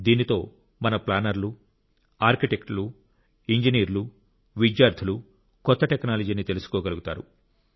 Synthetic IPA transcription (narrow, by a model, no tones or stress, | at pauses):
d̪iːnit̪o̞ː | mɐnɐplaːnɐɾlu | aːɾkiʈekʈlu | iɲd͡ʒiniːɾlu | ʋidjaːɾd̪ʰʱɐlu | kɔt̪ːɐʈeknaːlɐd͡ʒiːnit̪e̞lusu̥kɔːɡɐluɡut̪a̰ːɾu